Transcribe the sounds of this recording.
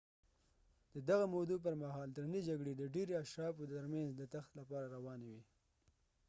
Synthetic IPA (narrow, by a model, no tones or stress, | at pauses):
d̪̥əd̪aɣamod̪up̬əɾmaɦɑld̪ɾanid͡ʒaɡɽed̪əɖeɾeaʃɾɑfoəɾmanzd̪ət̪axt̪lapɑɾaɾawɑnewi